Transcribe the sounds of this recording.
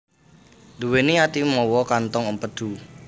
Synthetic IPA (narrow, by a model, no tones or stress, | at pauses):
d̪uweniat̪imɔwɔkant̪ɔŋəmpəd̪̥u